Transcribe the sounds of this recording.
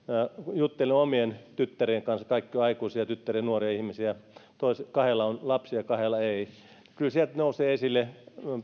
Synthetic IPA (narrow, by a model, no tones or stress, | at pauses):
ɑjut̪ːeliomient̪yt̪ːærieŋkɑnskɑikːioɑikuisiɑt̪yt̪ːæriænuoriɑihmisiæɑt̪oiskɑhelːˑɑonlɑpsiɑkɑhelɑei | kylsielt̪nouseːesilːe